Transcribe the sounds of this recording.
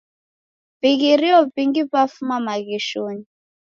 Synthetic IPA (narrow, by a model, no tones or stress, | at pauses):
biɣiɾiɔpiŋɡipafumamaɣɛʃoːni